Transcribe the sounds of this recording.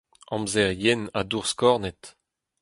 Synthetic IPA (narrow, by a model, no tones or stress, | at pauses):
ɑ̃mzɛʁjɛna̰d̪uʁskɔʁnɛt̪